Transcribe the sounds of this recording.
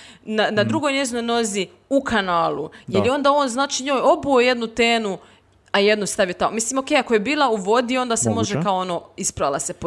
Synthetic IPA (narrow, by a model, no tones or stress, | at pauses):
nanad̪ɾuɡo̞jne̞zino̞jno̞zi | ukʰanaːlˠṵjeljeo̞nd̪ao̞ːnznaːt͡ʃiɲo̞ːjo̞buoje̞d̪nut̪eːnu | aje̞d̪nust̪aʋijot̪amomislimokejakojebiːlˠauʋo̞d̪io̞nd̪asemo̞ʒekaoonoːispɾalasepo